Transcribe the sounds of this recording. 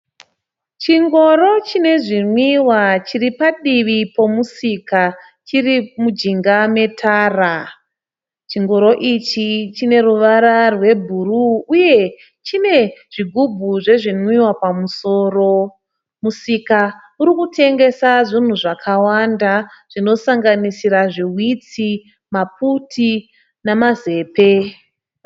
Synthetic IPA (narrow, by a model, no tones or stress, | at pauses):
t͡ʃiŋɡo̞ɾo̞t͡ʃine̞ʐinwiwat͡ʃiripaɗiʋipo̞musika | t͡ʃirimud͡ʒiŋɡame̞tʰaːra | t͡ʃiŋɡo̞ɾo̞ʔit͡ʃit͡ʃine̞ruʋaɾarwe̞bʱuruːje̞ | t͡ʃine̞ʐ̥iɡʱubʱuʐe̞ʐinwiwapamuso̞ːro̞ | musika | uɾikutʰe̞ŋɡe̞saʐin̤uʐakʰawandaʐ̥ino̞saŋɡanisiɾaʐiwit͡si | map̚utʰi | namaze̞ːpe̞